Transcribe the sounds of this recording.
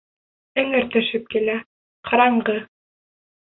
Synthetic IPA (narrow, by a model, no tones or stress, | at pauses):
ɘ̆ŋɘ̆ɾt̪ɵ̆ʃɘp̚kilæ | qʰɑɾɑɴɢɤ